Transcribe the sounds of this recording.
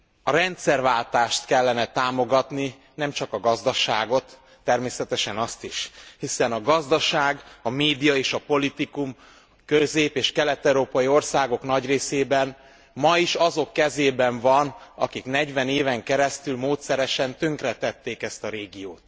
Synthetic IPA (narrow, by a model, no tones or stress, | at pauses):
ɒɾɛnt̪sɛrvaːlt̪aːʃt̪kɛlːɛnɛt̪aːmo̞ɡɒt̪ni | nɛmt͡ʃɒkɒɡɒzd̪ɒʃaːɡo̞t̪ː | ɛrmeːsɛt̪ɛʃɛnɒst̪iʃhisɛnɒɡɒzd̪ɒʃaːɡɒmeːd̪ijɒeːʃɒpo̞lit̪ikum | køzeːpeːʃkɛlɛt̪ɛɾoːpɒjio̞rsaːɡo̞knɒɟreːseːbɛn | mɒiʃɒzo̞kːɛzeːbɛɱvɒnɒ̰kiknɛɟvɛneːvɛŋkɛɾɛst̪ylmoːt̪sɛɾɛʃɛnt̪øŋkrɛt̪ɛt̪ːeːkɛst̪ɒɾeːɡioːt̪